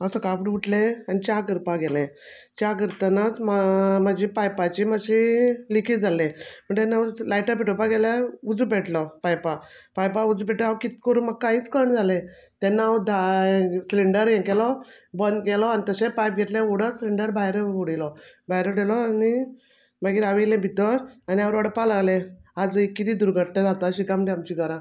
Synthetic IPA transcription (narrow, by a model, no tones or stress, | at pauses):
əsəkapʈʋuʈleanit͡ɕakəɾpaɡelẽ | t͡ɕakəɾt̪anat͡smamad͡ʑipajpat͡ɕimaɕilikʰid͡zʱalẽm̤əɳt̪enːalajʈəpiʈopaɡelaud͡zupeʈlɔpajpapajpaud͡zpeʈəawkit̪kəɾuːnmaɡ̚kaiːt͡skəɳd͡zʱalẽ | t̪ɛnːad̪ʱãsliɳɖəɾjɛ̃kɛlɔbənɡɛlɔanit̪əsẽpajp̚ɡʱɛt̪lẽuɽəsliɳɖəɾbʱajɾəuɽilɔbʱajɾəʈelɔani | maɡiːɾaʋilẽbʱit̪ɔɾaniaʋəɾɔɽəpːalaɡlead͡zikːit̪iːd̪uɾɡʱəʈːad͡zat̪aɕikaməʈ̪iamt͡ɕikəɾã